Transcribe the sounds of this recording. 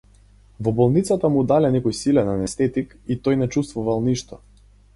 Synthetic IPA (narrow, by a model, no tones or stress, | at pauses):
vɔbɔlˠnit̪sat̪amud̪alɛnɛkɔjsilɛnanɛst̪ɛt̪ik | it̪ɔjnɛt͡ʃust̪vuvalˠniʃt̪ɔ